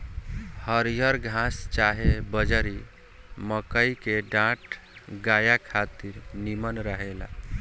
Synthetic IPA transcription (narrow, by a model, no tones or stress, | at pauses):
həɾijəɾɡʱãst͡ʃaɦebəd͡ʒəɾi | məkəjkeɖãʈ | ɡajakʰat̪iɾnimənɾəɦela̰